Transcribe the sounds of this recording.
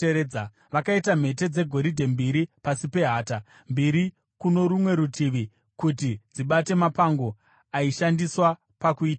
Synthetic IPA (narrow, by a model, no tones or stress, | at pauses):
eɾeːd͡za | ʋakaitam̤e̞t̬e̞d͡ze̞ɡʱo̞ɾidʱe̞mbiɾipasipe̞ɦaːta | mbiɾi | kuno̞ɾumwe̞ɾutiʋi | kutid͡ziɓate̞mapaŋɡo̞ | aiʃandiswa | pakuiːta